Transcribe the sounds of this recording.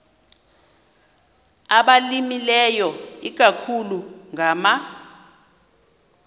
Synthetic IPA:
aɓalimilɛjɔik̬ʼakʰuluŋʱama

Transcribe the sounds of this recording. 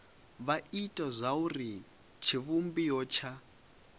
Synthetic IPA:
βaitʼazʷauri | t͡ʃʰiβumbijɔt͡ʃʰa

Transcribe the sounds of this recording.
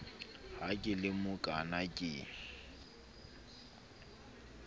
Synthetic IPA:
hakʼɪlɪmʊkʼanakʼɪ

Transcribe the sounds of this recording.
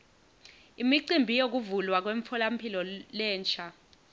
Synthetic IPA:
imiǀimbʱijok̬uvulwak̬weɱfʰɔlampʰilɔlɛːnt͡ʃʰa

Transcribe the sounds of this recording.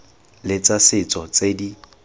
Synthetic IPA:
lɪt͡sʼasɪt͡sʼɔt͡sedi

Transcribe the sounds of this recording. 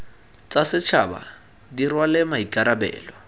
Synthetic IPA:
t͡sʼasɪt͡ʃʰaba̰ | dirwalɪmaikʼaɾabɛ̰ːlɔ

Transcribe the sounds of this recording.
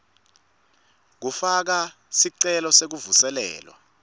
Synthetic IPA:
k̬ufak̬a | siǀɛlɔsek̬uvusɛlɛ̰ːlwa̰

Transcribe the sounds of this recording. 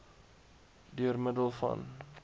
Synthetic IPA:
dyərmədəlˠfɐ̰n

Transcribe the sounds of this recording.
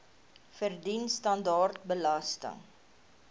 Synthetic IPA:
fərdinstɐndɑːrt̚bəlɐstə̰ŋ

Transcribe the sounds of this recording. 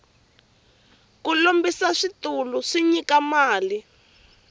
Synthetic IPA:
kulombisaʂit̪uluʂiɲikamaːli

